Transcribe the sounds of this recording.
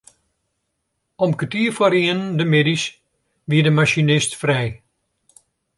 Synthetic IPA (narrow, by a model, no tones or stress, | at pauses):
ɔmkətiəfwaɾiəndəmedis | ʋiədəmaʃinɪstfrɛj